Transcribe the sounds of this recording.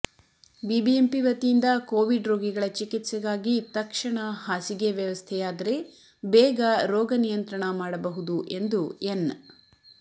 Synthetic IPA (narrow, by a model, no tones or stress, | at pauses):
bibiempiʋɐt̪ijind̪ɐkoːʋiɖɾoːɡiɡɐɭɐt͡ʃikit̪sɛɡaːɡit̪ɐkʂɐɳɐhaːsiɡeʋjɐʋɐst̪ʰɛjaːd̪ɐɾe̞ | bɛːɡɐɾɔːɡɐnijɐnt̪ɾɐɳɐmaːɽɐbɐɦud̪uʔe̞nd̪uen